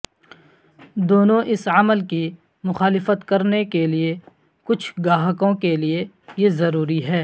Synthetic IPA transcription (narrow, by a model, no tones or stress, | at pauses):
d̪oːnõʔɪsɐməlki | mʊxaːlɪfət̪kɐɾnekelie | kʊt͡ʃʰɡaːɦəkõkelie | jezɐɾuːɾiɦɛː